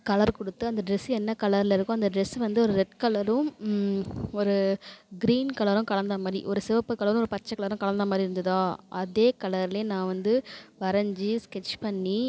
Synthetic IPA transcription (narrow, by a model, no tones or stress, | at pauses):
kɐɭɐɾkɔɽɯt̪ːɯɐnd̪ɐɖɾɛsɛnːɐkɐɭɐɾɪlɪɾɯkːʊ̃ɐnd̪ɐɖɾɛsʋɐnd̪ɯɔɾɯɾɛʈ̚kɐɭɐɾɯ̃ | ɔɾɯɡɾiːnkɐɭɐɾɯ̃mkɐɭɐnd̪ɐmaːd̪ɾḭʔɔɾɯsɪʋɐpːɯkːɐɭɐɾɯ̃ɔɾɯpɐt͡ʃːɐkɐɭɐɾɯ̃kɐɭɐnd̪ɐmaːd̪ɾiɪɾɯnd̪ɯðãːʔɐðeːkɐlɐɾɪleːnãːʋɐnd̪ɯʋɐɾɐɲd͡ʒiskɛt͡ʃːpɐɳːi